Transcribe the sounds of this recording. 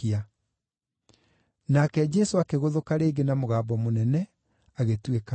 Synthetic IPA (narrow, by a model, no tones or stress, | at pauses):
ia | nakɛd͡ʑɛsoakeɣoðokaɾeːɡenamoɣaːbɔmonɛnɛ | aɣetweka